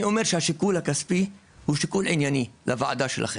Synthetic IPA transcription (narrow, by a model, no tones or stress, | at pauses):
iome̞ʁʃehaʃikulhakaspi | huʃikulinjanilʔavaa̰d̪aʃelʔa̰χe